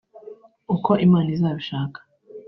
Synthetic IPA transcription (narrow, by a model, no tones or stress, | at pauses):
ukʰo̞ʔimaːnizaːβiʃaːkḁ